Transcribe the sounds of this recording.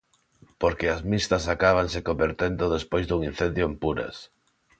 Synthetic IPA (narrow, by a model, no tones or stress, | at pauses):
poɾkeazmist̪ɐsakaβ̞aŋsekombeɾt̪end̪ʊðespojzd̪uŋin̟θend̪joempuɾɐ̰s